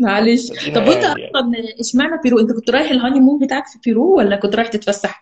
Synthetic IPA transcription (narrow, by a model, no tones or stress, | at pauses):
ʕaleːʃt̪ˤɑbʔent̪æʔɑlˤɑnʔeʃmaʕnæfiɾuːʔent̪ækont̪ɾˤɑːjeħelɦɑnimumket̪ʕaksfiɾuːwælʔænækont̪ɾɑːjeħt̪et̪fæsːaħ